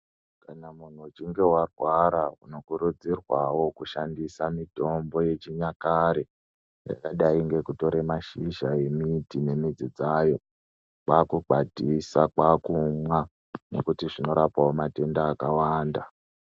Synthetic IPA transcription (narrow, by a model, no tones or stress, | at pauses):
kanamun̤uːt͡ʃiŋɡe̞warwaɾaṵno̞kuɾud͡zirwawo̞kuʃandisamito̞mbo̞je̞t͡ʃiɲakaɾe | ja̰kaɗaiŋɡe̞kuto̞ɾemaʃiʒaje̞mitine̞mid͡zid͡zaːjo̞ | kwakuɡ͡bʱadʱisakwakumwa | no̞̰kutiʐino̞ɾapawomate̞ndaːkawaːnda